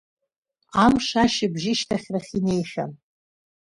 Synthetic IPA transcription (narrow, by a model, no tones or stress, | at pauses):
amʂaʃɪbʒɪʃtʰaχʲraχʲine̞jħʲa̰n